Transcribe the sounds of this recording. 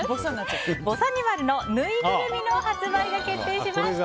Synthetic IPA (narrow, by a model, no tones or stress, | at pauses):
bokɯsõnːat͡sɨbo̞saɲ̟iβaɾɯ̟no̞nɯiɡɯɾɯmʲino̞hat͡sɨbaid̪e̞ke̞t̪ːe̞ːɕimasɨ̥